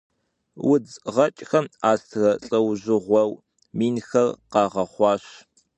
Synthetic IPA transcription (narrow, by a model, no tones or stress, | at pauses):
wʊd͡zʁɐt͡ʃʼxɐmaːstʰrɐɬʼɐwʑɪʁʷɔw | miːnxɐrqɑːʁɐχʷɑːɕ